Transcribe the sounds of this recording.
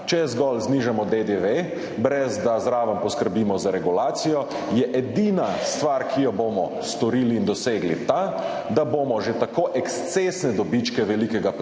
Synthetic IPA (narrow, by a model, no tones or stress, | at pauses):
t͡ʃɛzɡɔlzniʒamɔd̪ed̪eʋe | bɾɛzd̪azɾaːʋəmpɔskəɾbiːmɔzaɾɛɡulaːt̪sijɔ | jɛʔɛd̪inast̪ʋaɾkʰijɔbomɔ | st̪ɔɾiːliːnd̪ɔseːɡlḭt̪a | d̪aboːmɔʒet̪akoʔɛkst̪sesnɛd̪ɔbit͡ʃkɛʋɛlikɛɡap